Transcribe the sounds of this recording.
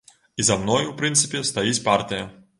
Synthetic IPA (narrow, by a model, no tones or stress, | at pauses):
izɐmnɔjʊpɾɪnt̪sɨ̥pʲɪst̪ɐjisʲpart̪ʲɪjɐ